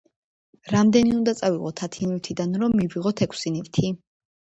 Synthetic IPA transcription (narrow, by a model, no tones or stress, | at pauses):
ɾamd̪ɛniund̪at̪sʼaviʁɔt̪ʰat̪ʰinivt̪ʰid̪anɾɔmːiviʁɔt̪ʰɛkʰsinift̪ʰi